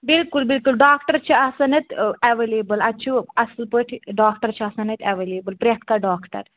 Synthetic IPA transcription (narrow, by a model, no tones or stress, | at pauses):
bilkulbilkulɖaːkʈɐɾt͡ʃʰiɐsɐnɐt̪ɐʋeleːbəlɐtːt͡ʃʰuɐslpəʈʰiɖaːkʈɐɾt͡ʃʰiɐsɐnɐt̪ʰɐʋeːleːbəlpɾʲjɐk̪ʰkaɖaːkʈɐ̰ɾ